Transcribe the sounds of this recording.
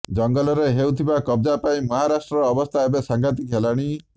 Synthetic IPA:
d͡ʒɔŋɡɔlɔɾeɦewt̪ʰibakɔb̚d͡ʒapaĩmɔɦaɾasʈɾɔːbɔst̪ʰaebesaŋɡʱat̪̬ikɦelaɽ̃i

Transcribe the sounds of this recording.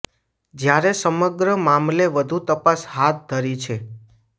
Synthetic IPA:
d͡ʒjaɾesəməɡɾəmamleʋəd̪ʱut̪əpashat̪̚d̪ʱəɾit͡ʃʰe

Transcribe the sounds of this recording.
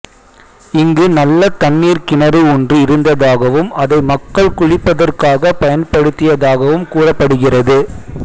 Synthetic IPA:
ɪŋɡɯnɐlːɐt̪ɐnːiːɾkɪnɐɾɯɔndrɯɪɾɯnd̪ɐðaːɣɐʋɯmɐðɐɪmɐkːɐɭkʊɻɪpːɐðɐrkaːɣɐpɐjɐnpɐɽɯt̪ːɪjɐðaːɣɐʋɯmkuːrɐpːɐɽɯɣɪrɐðɯ

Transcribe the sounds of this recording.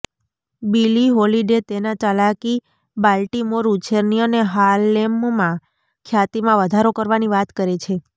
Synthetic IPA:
biliɦoliɖet̪enat͡ʃalaki | balʈimoɾut͡ʃʰeɾniəneɦalːemmã | kʰjat̪imãʋəd̪ʱaɾokəɾʋaniʋat̪kəɾet͡ʃʰe

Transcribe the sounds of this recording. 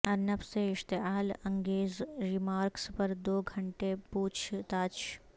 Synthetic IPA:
ɐnɐpseɪʃt̪eɦaːlɐ̃ŋɡeːzɾɪmaːɾkspɐɾd̪oːɡʱɐɳʈepuːt͡ʃʰt̪aːt͡ʃʰ

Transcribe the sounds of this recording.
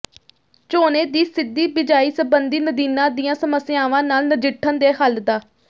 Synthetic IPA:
t͡ʃoːneːd̪iːsɪd̪ːiːbɪd͡ʒaːiːsəbənd̪iːnəd̪iːnãːd̪ijãːsəməsɪaːʋãːnaːlnəd͡ʒɪʈʰːənd̪eːɦəld̪aː

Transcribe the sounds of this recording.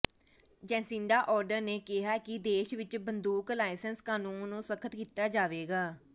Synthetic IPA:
d͡ʒɛ̃ːsɪ̃ɳɖaːʔɔːɾɖəɾneːkɪɦaːkɪd̪eːʃʋɪt͡ʃbənd̪uːklaːɪsənskaːnũːnõːsəkʰət̪kiːt̪aːd͡ʒaːʋeːɡaː

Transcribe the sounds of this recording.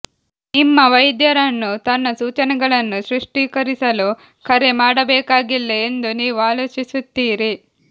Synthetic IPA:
imːɐʋɐjd̪jɐɾɐnːut̪ɐnːɐsuːt͡ʃɐnɛɡɐɭɐnːusɾuʂʈiːkɐɾisɐlu | kʰɐɾe̞maːɽɐbɛːkaːɡilːeːnd̪uniːʋuaːloːt͡ʃisut̪ːiːɾi

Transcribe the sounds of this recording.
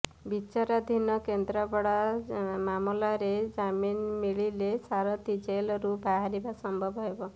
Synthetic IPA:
bit͡ʃaɾad̪ʱinɔkend̪ɾɔbɔɽamamolaɾed͡ʒaminmiɭilesaɾɔt̪id͡ʒelɔɾubʱaɦaɾibasɔmbʱɔbɦɔebɔ

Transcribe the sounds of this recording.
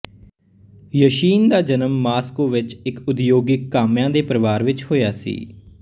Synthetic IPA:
jəʃiːnd̪aːd͡ʒənəmːaːskoːʋɪt͡ʃɪkʊd̪joːɡɪkːaːmjãːd̪eːpəɾəʋaːɾʋɪt͡ʃhoːjaːsḭː

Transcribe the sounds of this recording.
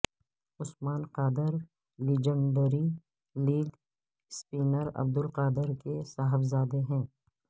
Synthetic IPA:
ʊsmaːnqaːd̪ɪɾ | liːd͡ʒə̃ɳɖəɾi | liːɡ | spiːnəɾɐ̰b̚d̪ʊlqaːd̪ɪɾkesaːɦɪbzaːd̪eɦɛ̃ː

